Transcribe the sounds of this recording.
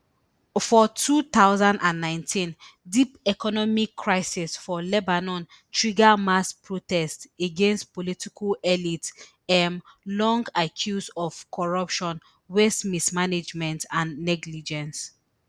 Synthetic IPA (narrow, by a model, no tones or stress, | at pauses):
fɔtʰut̪aʊzãndãnːãɪ̃ntʰĩndipɛkʰɔnɔmikʰːɹaɪsisfɔlɛbanɔ̃n | tʰɹiɡamaspʰɹotɛsteɡẽnstpɔlitikʰlɛlit | ɛmlɔ̃ŋɡakʰjusɔv̥kʰɔɹʌpʃɔ̃n | westmismaned͡ʒmɛ̃ntãnːɛɡlid͡ʒɛ̃ns